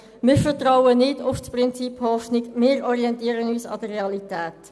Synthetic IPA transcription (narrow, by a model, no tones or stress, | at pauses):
mɪːɾfətraʊənɪdʊfsprɪnt͡siphɔfnɪɡmɪːɾɔʁiɛntiːɾənyːsɑ̰d̥əreɑlitɛːt